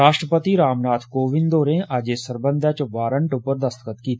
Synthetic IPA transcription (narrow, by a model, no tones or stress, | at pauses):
aːʃʈɾəpət̪iɾaːmnaːt̪ʰkoːʋɪ̃nd̪oːɾẽʔad͡ʒeːsəɾbə̃nd̪ʱat͡ʃʋaːɾə̃ɳʈʊpəɾd̪ɐst̪əkət̪kiːt̪ʰ